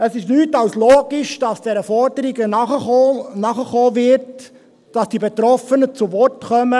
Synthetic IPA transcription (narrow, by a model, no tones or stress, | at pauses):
əsɪʃnyːtɑwsloːɡ̥iʃd̥ɑsd̥ɛɾəfɔɾdəɾiɡənɑχənɑχəχoːvɪɾt | d̥ɑsd̥ibet̪ɾɔfənət͡suvɔrtkœmə